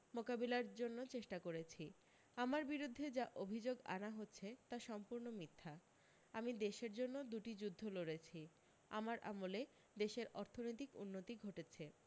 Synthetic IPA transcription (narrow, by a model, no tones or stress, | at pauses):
mokabilaɾd͡ʑonːot͡ɕeʃʈakoɾet͡ɕʰi | amaɾbiɾud̪ʱːed͡ʑaʔobʱid͡ʑoɡa̰naɦotːɕʰet̪aʃɔmpuɾnomit̪ʰːa | amid̪eʃeɾd͡ʑonːod̪uʈid͡ʑud̪ʱːoloɽet͡ɕʰi | a̰maɾʔa̰mole | d̪eʃeɾʔɔɾt̪ʰonojt̪ikṵnːot̪iɡʱoʈet͡ɕʰe